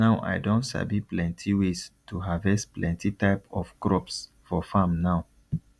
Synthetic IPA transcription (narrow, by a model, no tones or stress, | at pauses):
naʊʔa̰ɪdõntsa̰biplɛ̃ntʰiwestʰuɦavɛsplɛ̃ntitaɪpɔfkɹɔps | fɔfãmnaʊ